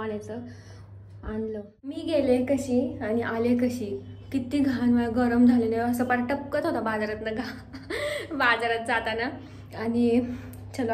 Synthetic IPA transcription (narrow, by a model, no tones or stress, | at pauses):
aɽjat͡sə | anlə | miːɡelekəɕiːañiʔalekəɕiːkit̪iɡʱanʋajɡəɾəmd͡zʱaleneəsəpəɾaʈəp̚kət̪ɦot̪abad͡zaɾat̪nəɡʱa | bad͡zaɾat̪̚d͡zat̪ana | ani | t͡ɕʰəl